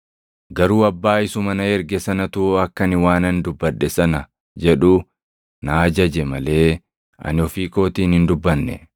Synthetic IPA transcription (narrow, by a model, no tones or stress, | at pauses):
ɡɐɾuːɐbːaːɪsʊmɐnɐɛɾɡɛsɐnɐt̪ʊɐkːɐnɪwaːnɐnd̪ʊbːɐᶑːɛsɐnɐ | d͡ʒɛᶑu | naːd͡ʒɐd͡ʒɛmɐle̞ː | ʔɐ̰nɪɔfiːko̞ːt̪iːnhɪnd̪ʊbːɐnːɛ̰